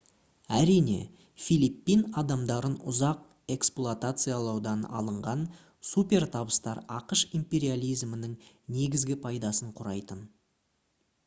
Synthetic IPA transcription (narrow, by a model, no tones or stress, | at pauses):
æɾijne̞̰ | fijlipːinɑd̪ɑmd̪ɑɾənʊ̰zɑq̚ | e̞ksplˠuat̪at̪sɨjalˠɑwd̪ɑnɑ̰lˠəɴʁɑn | supʲe̞ɾt̪ʰɑbəst̪ɑ̰ɾɑqəʃimpʲe̞ɾʲialʲijzmənɪŋ | ne̞ɡʲɪzɡʲɪpʰɑjd̪ɑsəɴqʰʊɾɑjt̪ən